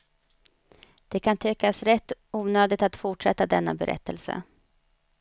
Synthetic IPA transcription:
d̪̥ɛkʰant̪ʰɛkːasɾɛt̪ːuːnøːd̪ɪt̪at̪fʊʈʂɛt̪ːad̪ɛnːa̰bɛ̰ɾʔɛ̰t̪ʰːə̰lsə̰

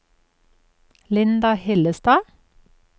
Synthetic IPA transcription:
lɪnd̪ɑhɛləst̪ɑː

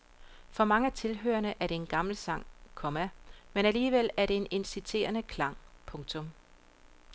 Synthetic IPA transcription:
fɒ̽mɑ̈ŋəæt͡sʰe̝lɦø̰ːɐnəʔæɐɾ̥e̝e̝nɡ̥ɑ̈ml̩sɑ̈ŋ̰kʰɒ̽mæmenæliːʋel̰æɐɾ̥e̝ene̝nsit͡sʰe̝̰ːɐnəkʰlɑ̈ŋ̰pʰɔ̽ŋt͡sʰɔ̽m

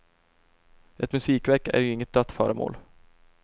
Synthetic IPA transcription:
ʔɛt̪mɵsiːkvɛɾkːaæ̰ɾjɵɪŋːət̪̚d̪œt̪ːfœːɾəmo̰ːl

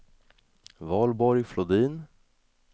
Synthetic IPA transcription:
vɑːlbɔɾjflʊd̪iːn

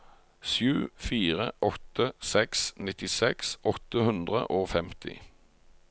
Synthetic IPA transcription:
ʃjʉːfiːʁəʔɔt̪əsɛksnɪt̪ɪsɛksʔɔt̪əhʉnd̪ʁə̰ʔoːfɛmt̪ʰɪ̰

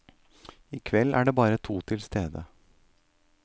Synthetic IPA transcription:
ɪːkʰʋɛlːæ̰ːɖeːbɑːɾət̪ʰuːt̪ʰɪlst̪eːd̪ə

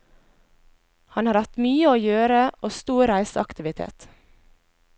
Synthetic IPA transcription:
hɑnhɑːɾɑt̪myːəoːjøːɾəʔoːst̪uːɾæɪsəɑkt̪ɪʋɪt̪ʰḛːt̪

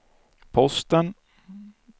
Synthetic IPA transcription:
pʰɔst̪ən

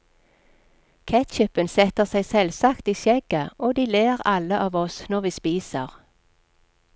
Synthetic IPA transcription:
kʰɛt̪çʏpənsɛt̪əʁsæɪsɛlsɑkt̪iːʃɛɡ̥əʔoːd̪iːleːʁɑləʔɑːʋɔsnɔʁʋiːspiːsə̰ʁ

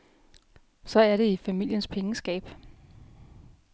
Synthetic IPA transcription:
sɒ̽æɐɾe̝ifæmil̰jənspʰeŋəsɡ̥ɛ̰ːb̥

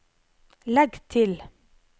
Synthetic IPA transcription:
lɛɡt̪ʰɪl

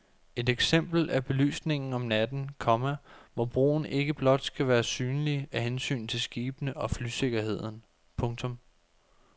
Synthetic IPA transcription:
e̝deɡ̥sem̰b̥l̩ʔæb̥e̝ly̰ːsne̝ŋn̩ɒ̽mnæd̥n̩kʰɒ̽mæʋɒb̥ʁo̝̰ːn̩e̝ɡ̥əb̥lɒ̽d̥sɡ̥æʋæːɐsyːnəliæɦensy̰ːn̩t͡sʰe̝lsɡ̥iːb̥nəʔɒ̽flyse̝ɡ̥ɐɦe̝ð̞̰ˠn̩ | pʰɔ̽ŋt͡sʰɔ̽m

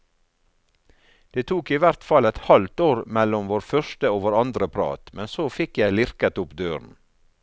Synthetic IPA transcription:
d̪̥eːt̪ʰuːkiːʋæɾt̪fɑlɛt̪hɑlt̪oːɾmɛlɔmʋoːɾfœʃtəoːʋoːɾɑnd̪ɾəpʰɾɑ̰ːt̪mɛnsoːfɪkjæɪlɪɾkət̪ʊpd̪øːɾn̩

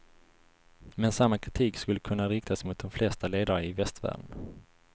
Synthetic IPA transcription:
mɛnsamːakʰɾɪt̪ʰiːkskɵlːəkʰɵnːaɾɪk̚t̪ʰasmʊt̪̚d̪ɔmflɛst̪aleːd̪aɾaɪvɛst̪væ̰ːɖn̩

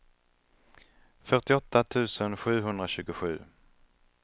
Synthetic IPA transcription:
fœʈɪɔt̪ʰːat̪ʰʉ̟ːsənɧʉ̟ːɦɵnd̪ɾaɕʉ̟ːɡʊɧʉ̟ː

